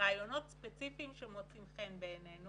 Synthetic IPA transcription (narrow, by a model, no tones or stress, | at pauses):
aːjo̞no̞t̪spet͡sifimʃemot͡simχembeːnenu